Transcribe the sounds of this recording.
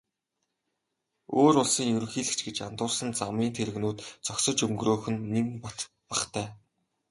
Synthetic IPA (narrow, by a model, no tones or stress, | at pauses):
oːɾʊɮsiːŋjɵɾɵ̆xiːɮɘ̆kt͡ɕɡet͡ɕant̪ʊːrsə̆nt͡samiːnt̪ʰeɾɘ̆ɣnuːt̪t͡sɔksə̆t͡ɕɵŋɡroːxɘ̆nːimpɔt̪ | paχt̪ʰæː